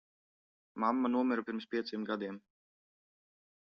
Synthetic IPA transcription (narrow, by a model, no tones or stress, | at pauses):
mamːanuɔmɛɾupiɾmspʲiɛt̪simɡad̪iɛm